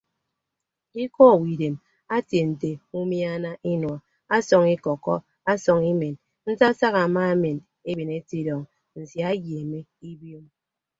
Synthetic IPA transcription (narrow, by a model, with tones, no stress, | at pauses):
i˦kɔ˦˨wi˨de˨m | a˦tje˨n̩˨te˨u˦mja˦na˦ʔi˦nwɔ˨ | a˦sɔ˨ŋi˦kɔ˨kɔ̰˦ | a˦sɔ˨ŋi˦me˨n | n̩˦sa˦sa˦ɣa˨ma˦e˦me˨n | e˦be˨ne˦ti˦dɔ˨ŋ | n̩˨si˨a˦ɡje˨me˦i˦bjo˦m